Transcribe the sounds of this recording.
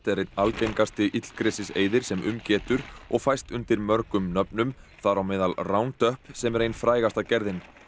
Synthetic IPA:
t̪ɛɾejt̪nalcejŋkast̪ɪʔit̪l̥kɾɛsɪsḛːjðɪɾ̥sɛmʔʏ̰mcɛːt̪ʏɾ̥ɔɣfajst̪ʏnt̪ɪɾmœɾkʏmnœpnʏmθaɾawmɪːðalrawnt̪œhpsɛmɛɾeːjnfɾaːjɣast̪acɛɾðɪn

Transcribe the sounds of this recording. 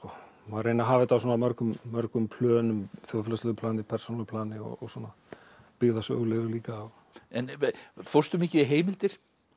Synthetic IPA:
skɔ | marːeːjnaɦaːvɪt̪awsɔːnamœɾkʏmːœɾkʏmpʰlœːnʏmθjowfɛlaslɛɣʏpʰlaːnɪpʰɛrsonalpʰlaːnɪɔ̰ɔ̰swɔːna | pɪɣðasœ̰ːɣlɛɣʏliːkaːw | ɛnfowrst̪ʏmɪcɪiɦeːjmɪlt̪ɪɾ̥

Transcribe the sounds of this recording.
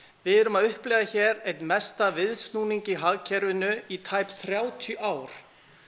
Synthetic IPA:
vɪðɛɾʏmaðʏhplɛːɣðaçɛːɾejt̪mɛst̪avɪðst̪nuːniɲcɪɦaɣcʰɛɾvɪnʏit̪ʰajpθɾjaːwt̪ʰjʏʔaːwɾ̥

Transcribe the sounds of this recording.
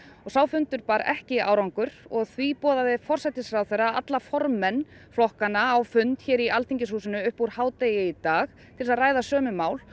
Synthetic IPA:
ɔɣsaːwfʏnt̪ʏɾpaːɾɛ̰hcɪa̰ːwɾaŋkʏɾɔɣθvipɔːðavɪfɔr̥sat̪ɪsfɾawθejrːaat̪lafɔɾmɛnː | flɔhkanːaːwfʏnt̪çɛːɾialt̪ʰiɲcɪshuːsɪnʏʏhpuɾhaːwt̪ejɪit̪aːx | t̪ʰɪlɪsaðraːjðasœːmʏmaːwl

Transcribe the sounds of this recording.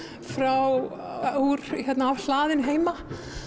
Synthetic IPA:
fɾaw | uɾ̥çɛt̪naːvl̥aːðɪnɦeːjma

